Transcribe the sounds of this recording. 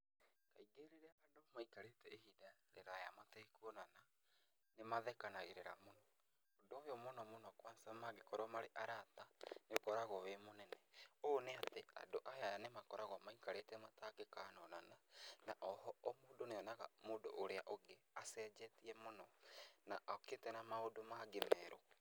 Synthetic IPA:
kaiɡeɾeɾeaadomaikaɾetɛehidaɾeɾaja̰matɛikuɔnana | nemaðɛkanaɣeɾeɾa̰monɔ | odojɔmonɔmonɔkwasamaɡekɔɾɔmaɾeʔaɾatanekɔɾaɣɔβemonɛnɛoːneatea̰doʔaɦeaanemakɔɾaɣɔmaikaɾetɛmatakekaːnɔnananaʔɔhɔːmoːdoneɔnaɣa̰moːdo̰ʔːɾeaʔoɡeasɛd͡ʒɛtiɛmonɔnaʔɔketɛnamaodomaɡemɛɾo

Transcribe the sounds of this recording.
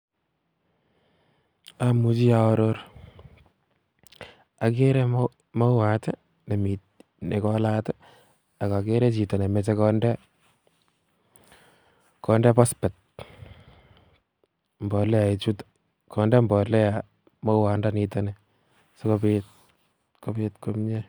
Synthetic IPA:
amut͡ʃiaɔɾoɾ | akeɾɛ | mɔwatɛ | nemi | nekɔlatɛ | akakeɾet͡ʃitɔnemɛt͡ʃekɔndɛ | kɔndɛpɔspɛt̪̚ | mbɔlɛait͡ʃut | kʰɔndɛmbɔlɛa | mɔwaːndanitɔnɛ | sɔkopet̚ | kopetkomɲe

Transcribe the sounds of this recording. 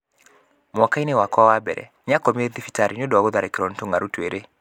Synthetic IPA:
mɔkainewakwawabɛ̰ɾɛ̰ | ɲakɔmeðifitaɾiɲodoaɡoðaɾekɾɔntoŋaɾutweɾʔe

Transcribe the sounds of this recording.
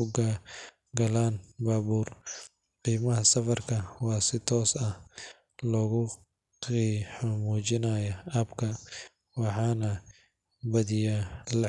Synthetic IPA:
ʊɡa | ɡɐlaːnbaːβuːr | qiːmɐɦɐsɐfɐrkʰɐwɑːsɪt̪ʰɔːsɐ | lɔːɣʊ | qiːħʊmuːt͡ʃɪnaːjɐʔaːbkʰɐ | wɑħɑːnɐ | bɐðɪjaːlɐ

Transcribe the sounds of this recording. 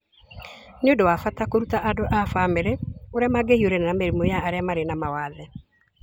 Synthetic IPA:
neondowafatakoɾutaʔadoʔafameɾeoɾeamaɡehioɾɛnenameɾimojaːɾeamaɾenamawaðɛ

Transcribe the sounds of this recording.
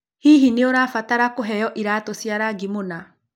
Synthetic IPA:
hiːɦineoɾaːfataɾakoɦɛjɔʔiɾaːtosiaɾaɡimona

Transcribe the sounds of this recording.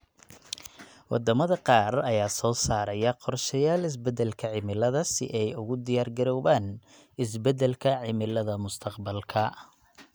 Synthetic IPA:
wɑ̰d̪ɐmɐðɐqɑːrɐjaːsɔːsaːɾɐjɐqɔrʃɐjaːlɪs̬bɛd̪ɛlkʰɐʕɪmɪlɐðɐsɪ̰ʔɛjʊɣʊd̪ɪjaːrɡɐɾɔːβaːn | ɪs̬bɛd̪ɛlkʰɐʕɪmɪlɐðɐmʊst̪ʰɐqbɐlkʰɐ

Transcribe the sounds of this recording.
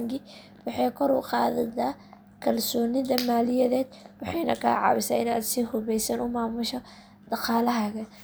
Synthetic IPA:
ŋɡɪ | wɑħɑjkʰɔɾʊ̰qɑːðɐða | kʰɐlsɔːnɪðɐmaːlɪjɐðɛːd̪wɑħɑjnɐ̰kʰɐ̰ːʕɑ̰ːβɪsa̰ːɪna̰ːd̪sihʊβɛjsɐnʊmaːmʊʃɔ | d̪̥ɑqɑːlɐɦɐɣɐ

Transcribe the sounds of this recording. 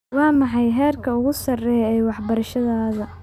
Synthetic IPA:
wɑːmɑħɑjɦɛːrkʰɐʊɣʊsɐrɛjɛːwɑħbɐɾɐʃɐðaːðɐ

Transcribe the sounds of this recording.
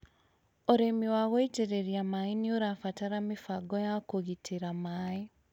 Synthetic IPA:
oɾemiwaɣɔiteɾeɾjamainioɾafataɾamefaɡɔjakoɣitʰeɾamae

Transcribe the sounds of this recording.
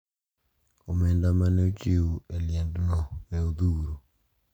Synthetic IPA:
omɛndamaneot͡ʃɪueljɛndnɔwɛoðuːɾo

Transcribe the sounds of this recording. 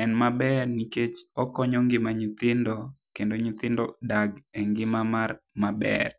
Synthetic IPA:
ɛnmabɛrniket͡ʃɔkɔɲɔŋɡɪmaɲɪt̪ɪndokendoɲɪt̪ɪndodaɡeŋɡɪmamarmabɛ̰r

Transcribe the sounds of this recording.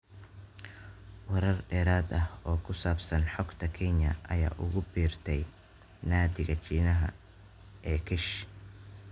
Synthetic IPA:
wɐɾɐrɖɛːɾaːd̪ɐhɔːkʰʊsaːbsɐnħɔɡt̪ʰɐkʰɛnjɐ̰ʔɐ̰ja̰ːʔʊ̰ɣʊbiːrt̪ʰɛj | naːd̪ɪɣɐt͡ʃiːnɐɦɐ̰ | ʔɛːkʰɪʃ

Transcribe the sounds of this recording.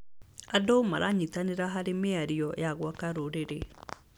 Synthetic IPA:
adoma̰ɾʔaɲitaneɾaɦaɾemeaɾiɔjaɣwakaɾoɾeɾe

